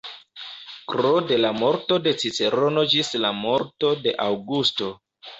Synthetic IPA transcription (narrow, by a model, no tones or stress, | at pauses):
kɾode̞lamo̞ɾto̞de̞t͡sit͡se̞ɾo̞no̞d͡ʒislamo̞ɾto̞de̞ʔawɡusto̞